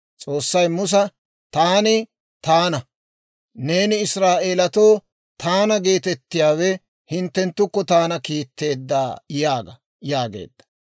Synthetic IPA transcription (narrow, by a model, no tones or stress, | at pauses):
t͡sʼo̞ːsːɐjmʊs̬ɐ | t̪aːnɪ | t̪aːnɐ | ne̞ːnɪːsɾaːʔeːlɐt̪o̞ː | t̪aːnɐɡe̞ːt̪ɛt̪ːɪjaːwɛ | hɪnt̪ːɛnt̪ːʊkːɔt̪aːnɐkiːt̪ːe̞ːd̪ːa̰ːjaːɡɐ | jaːɡḛːd̪ːɐ̥